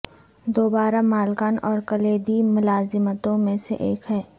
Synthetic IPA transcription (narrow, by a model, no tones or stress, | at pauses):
d̪oːbaːɾamaːlkaːnɔːɾkəleːd̪imʊlaːzɪmət̪õmẽsḛʔeːkɦɛː